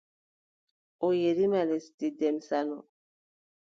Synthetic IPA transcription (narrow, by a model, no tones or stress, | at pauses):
ojeɾimalestidɛmsanɔ